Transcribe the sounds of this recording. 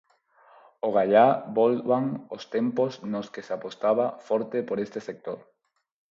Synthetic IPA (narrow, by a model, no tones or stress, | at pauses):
oɣ̞aʎabolβaŋost̪empoznoskesapost̪aβafɔɾt̪epoɾest̪esek̚t̪oɾ